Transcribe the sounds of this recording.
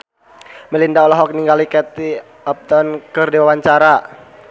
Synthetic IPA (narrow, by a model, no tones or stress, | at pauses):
məlindaɔlɔɦɔk̚niŋɡalikɛt̪i | ɔp̚t̪ɔnkərdiwawaɲt͡ʃaɾa